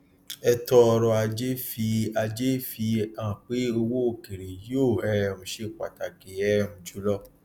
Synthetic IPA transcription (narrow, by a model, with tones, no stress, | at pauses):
ɛ˧tɔ˧ɾɔ˧a˧d͡ʒe˦fi˧a˧d͡ʒe˦fi˧ã˦˨k͡pe˨˦o˧wo˦o˨ke˨ɾe˨jo˦˨ɛ˦˨mũ˧ʃe˧k͡pa̰˨ta˨ke˨ɛ˦mũ˨d͡ʒu˨˦lɔ˦